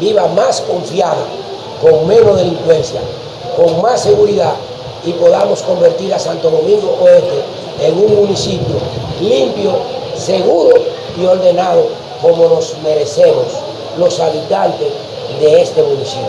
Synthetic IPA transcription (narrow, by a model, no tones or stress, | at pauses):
biβamaskoɱfjaða | koŋmẽnozðeliŋkwenθja̰ | koŋmasːeɣuɾiða | ipoðamoskombeɾt̪iɾasant̪oðomĩŋɡopoent̪e | eŋuŋmũnisipjolimpjoseɣuɾo | ioɾd̪enaðo | komolozmeɾesemos | losaβit̪ant̪es | ðeest̪emunisip